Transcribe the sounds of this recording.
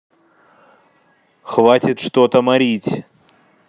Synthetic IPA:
xvatʲɪt̪ʂt̪ot̪əmaɾʲitʲ

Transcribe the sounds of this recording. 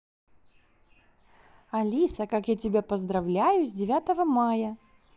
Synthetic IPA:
ɐlʲisəkakjatʲɪbʲapəzd̪ɾɐvlʲæjʊzʲdʲɪvʲat̪əvəmajə

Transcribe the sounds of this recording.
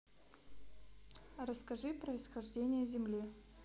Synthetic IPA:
rəskɐʐɨpɾəɪsxɐʐdʲenʲɪjəzʲɪmlʲi

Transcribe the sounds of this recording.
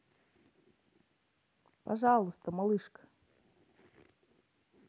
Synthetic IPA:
pɐʐɑlˠʊst̪əmɐlˠɨʂkə̥

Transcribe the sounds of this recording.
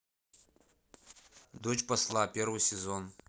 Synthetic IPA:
d̪od͡ʒpɐslˠapʲervɨjsʲezon

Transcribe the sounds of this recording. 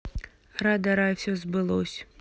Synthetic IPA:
ɾad̪ɐɾajwsʲɔzbɨlˠɔsʲ

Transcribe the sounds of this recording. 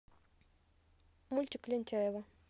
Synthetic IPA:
mult͡ʃiklint͡ʃɛβa

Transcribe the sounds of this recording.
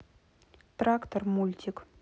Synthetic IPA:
t̪ɾakt̪ormulʲt̪ʲik

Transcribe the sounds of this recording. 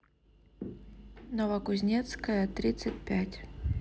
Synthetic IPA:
novəkʊzʲnʲet̪skəjət̪ɾʲit̪sɨt̚ʲpʲætʲ

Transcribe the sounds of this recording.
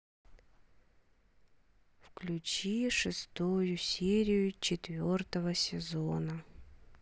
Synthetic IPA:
fklʲʉt͡ɕiʂɨst̪ujʊsʲeɾʲɪjʊt͡ɕɪt̪vʲo̞rt̪əvəsʲɪzonə

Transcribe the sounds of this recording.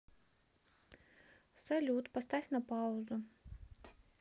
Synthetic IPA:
sɐlʲut̪pɐst̪ɑfʲnɐpɑʊzʊ

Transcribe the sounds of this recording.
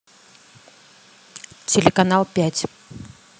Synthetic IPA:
tʲelʲekanalˠpʲatʲ

